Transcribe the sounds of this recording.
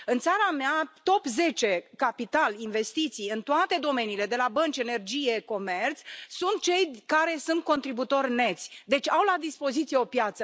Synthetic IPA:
ɨnt̪saɾameat̪o̞pze̞t͡ʃe̞kapit̪alinve̞st̪it̪sijɨnt̪oat̪e̞d̪o̞me̞niːle̞d̪e̞labənt͡ʃʲe̞ne̞rd͡ʒije̞ko̞me̞rt̪ssunt̪̚t͡ʃe̞jkaɾe̞sunt̪̚ko̞nt̪ɾibut̪o̞rʲne̞t̪sʲd̪e̞t͡ʃʲawlad̪ispo̞zit̪sijeo̞pjat̪sə

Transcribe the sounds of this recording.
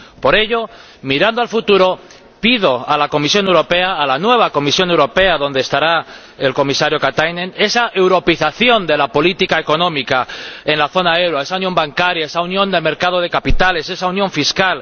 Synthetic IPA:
po̞ɾe̞ʎo̞ | miɾand̪oalfut̪uɾo̞ | pið̞o̞alako̞misjo̞ne̞wɾo̞pe̞aːlanwe̞β̞ako̞misjo̞ne̞wɾo̞pe̞aðo̞nd̪est̪aɾa | e̞lko̞misaɾjo̞kat̪ajnẽne̞saʔe̞wɾo̞piθaθjo̞nd̪e̞lapo̞lit̪ikaeko̞nõ̞mikae̞nlaθo̞nae̞wɾoe̞saunjombaŋkaɾjae̞saunjo̞nd̪eme̞ɾkað̞o̞ð̞e̞kapit̪ale̞se̞saunjõ̞ɱfiskal

